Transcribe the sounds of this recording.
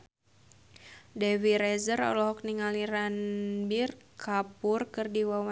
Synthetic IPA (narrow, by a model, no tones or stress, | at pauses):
dɛwiɾɛzərɔ̰lɔɦɔk̚niŋaliranbirkʰapʊrkɨrdiwawa